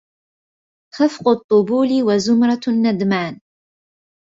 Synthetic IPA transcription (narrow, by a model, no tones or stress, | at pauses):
xafqʊt̪ˤːʊbuːliwazʊmɾˤɑt̪nːad̪maːn